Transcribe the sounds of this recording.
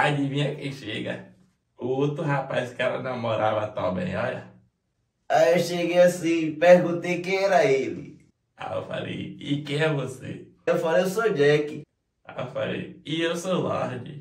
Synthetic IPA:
ad͡ʒimĩɲɐkẽj̃ʃeɡɐ̰ | ʊot̪ɾʊɦapajskɛɾɐ̰nɐ̃mɔɾavɐt̪ãbḛ̃j̃ɔʎɐ̰ | aewʃeɡejasĩpehɡũt̪ejkẽj̃ɛɾɐelɪ̰ | a̰ḛwfa̰lḛjɪkẽj̃ɛvosḛ | ewfalejʊsod͡ʒɛkɪ | a̰efa̰lḛjɪewsolɔ̰ɾd͡ʒɪ̰

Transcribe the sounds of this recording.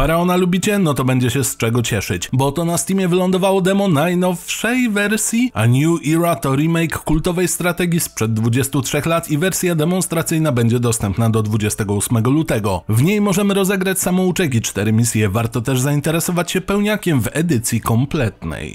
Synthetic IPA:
paɾaɔnalubʲit͡ɕɛnɔt̪ɔbɛɲd͡ʑɛɕɛst͡ʂɛɡɔt͡ɕɛʂɘt͡ɕbɔt̪ɔnasʲt̪imʲjɛvɘlɔnd̪ɔvawɔd̪ɛmɔnajnɔfʂɛjvɛɾsʲjia̰ɲuʔiɾat̪ɔɾimɛjkːult̪ɔvɛjst̪ɾat̪ɛɡʲispʂɛd̪̚ːvud͡ʑɛst̪utʂɛxlat̪ivɛɾsʲjad̪ɛmɔnst̪ɾat̪sɘjnabɛɲd͡ʑɛd̪ɔst̪ɛmpnad̪ɔd̪vud͡ʑɛst̪ɛɡɔusmɛɡɔlut̪ɛɡɔvɲejmɔʐɛmɘɾɔzɛɡɾat͡ɕsamɔ̃ut͡ʂɛkʲit͡ʂt̪ɛɾɘmʲisʲjɛvaɾt̪ɔt̪ɛʐzaint̪ɛɾɛsɔvat͡ɕɕɛpɛwɲakʲɛmvɛd̪ɘt̪sʲjikɔmplɛt̪nɛ̰j

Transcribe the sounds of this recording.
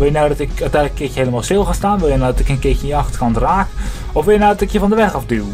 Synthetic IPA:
ʋɪljənɔwdɑtɪkœɥtɛ̃jnləkːɪkjəɦejləmaːlˠstɪlˠxaːstaːnʋɪlˠjənawdɔtɪkənkɪkjəəɑxtə̥kɑntraːk | ɔfʋɪljənɔwdɑtɪkjəvɑndəʋɛχɑfdyw

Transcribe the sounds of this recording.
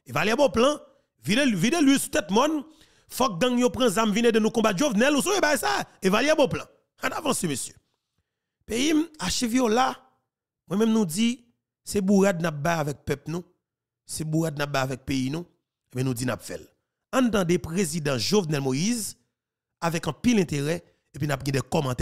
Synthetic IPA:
evaliaboplã | vividelɥisu̥t̪ɛt̪mɔ̃n | fɔk̚ɡãŋjopʁãzamvinedenũkɔ̃bat̪ʒovnɛlusoebajsaevaliaboplã | ãnavɑ̃semesjø̥ | pejimaʃevjola | mwɛ̃mɛ̃mnũd͡zi | sebuɣad̪̚nap̚bajavɛk̚pœp̚nũ | sebuɣad̪̚nap̚bajavɛk̚peinũ | ebɛ̃nũd͡zinapfɛ̰l | ãnt̪ãdepʁezidãʒovnɛlmoiz | avɛkɑ̃pilɛ̃t̪eʁɛ | epinap̚ɡɛ̃dɛkɔmɑ̃t̪ɛ

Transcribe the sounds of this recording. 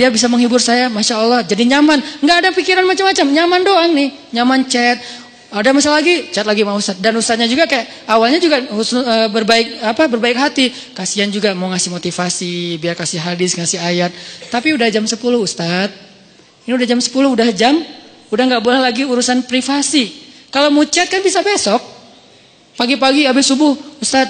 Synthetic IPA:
diabis̬aməŋɦibʊrsajamaʃaːlːɑhd͡ʒadiɲamanŋɡaːdapikiɾanmat͡ʃamːat͡ʃamɲamandoaŋnɪh | ɲamant͡ʃɛt̪̚ | adamasalaɡit͡ʃɛt̪̚laɡimaust̪at̪̚danust̪at̪̚ɲad͡ʒuɡakajaʔ | awalɲad͡ʒuɡausʊəbərbaɪk̚apabərbaɪk̚ɦat̪i | kasiand͡ʒuɡamaŋasɪhmot̪ifasibiarkasɪhɦadɪsŋasiajat̪̚ːapiudahd͡ʒamsəpulʊhust̪at̪̚ | iniudahd͡ʒamsə̥pulʊhudahd͡ʒam | udahŋɡaʔbolɛhlaɡiuɾusanpɾifasikalomut͡ʃɛt̪̚kanbisabesɔk̚ | paɡipaɡiabɪsubʊhust̪at̪̚

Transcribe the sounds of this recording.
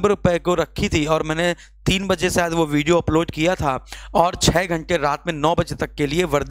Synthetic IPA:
bəɾʊpəekoɾɐkʰːit̪ʰiɔːɾmɛ̃ːne | t̪iːnbɐd͡ʒesaːd̪ʋoʋiːɖijoɐploːɖkijat̪ʰaɔːɾt͡ʃʰɛːɡʱɐ̃ɳʈeɾaːt̪mẽnɔːbɐd͡ʒet̪ɐkːelieʋɐɾd̪

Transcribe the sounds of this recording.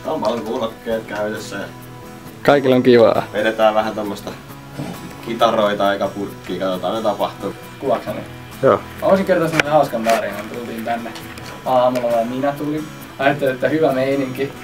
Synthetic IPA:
kɑmpɑlŋkuːlokːeːt̪kæyt̪esːæjɑ̰ | kɑikilːoŋkiʋɑ̰ːʋeɾet̪æːʋʋæhænt̪omːost̪ɑ | kit̪ɑroit̪ɑɑikæpurkːiːkɑt̪ot̪ɑːnet̪ɑpɑht̪u | kuʋɑksɑlḭ | joːmosiŋkert̪ɑsemːosehɑuskɑnt̪ɑːrihɑnt̪ult̪iːnt̪ænːe | ɑːmulɑʋɑiminæt̪ulin | ɑjɑt̪ːeliet̪ːæhyʋæmeiniŋki

